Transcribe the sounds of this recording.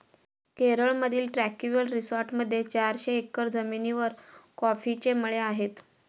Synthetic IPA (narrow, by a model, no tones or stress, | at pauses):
keɾəɭməd̪ʱiːlʈɾækuʋəlɾisɔɾʈməd̪ʱːjet͡ɕaɾɕeːkːəɾd͡zəminiʋəɾkɔfit͡ɕeməɭeaɦet̪